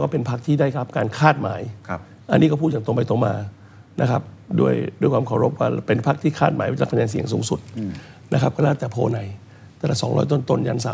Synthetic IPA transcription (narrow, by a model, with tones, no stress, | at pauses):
kɔː˥˩pe˧npʰa˦˥k̚t̪ʰiː˥˩daː˥˩jkʰa˦˥p̚kaː˧nkʰaː˥˩t̪̚ma̰ː˩˦j | ʔa̰˧nːi˦˥kɔ˥˩pʰuː˥˩ja˨˩˦t̪o˧pa˧jt̪o˧ma̰ː˧ | na̰˦˥kʰa˦˥p̚du˥˩əjdu˥˩jkwaː˧kʰa˨˩wɾo˦˥p̚waː˥˩pe˧npʰa˦˥k̚t̪ʰiː˥˩kʰaː˥˩t̪̚maː˨˩˦jwa˦˥pʰa˧ɲaː˧si˨˩˦əŋsuː˩˦ŋsu˨˩t̪̚na̰˦˥kʰa˦˥p̚kɔ˥˩lɛː˦˥˩t̪ɛː˨˩pʰo̰ː˧na˨˩j | t̪ɛː˨˧˩la̰˨˩sɔː˩˦ŋɾɔ̰ː˦˥jt̪̬o˥˩˨nt̪o˥˩nja˧˥˩nsaː˨˦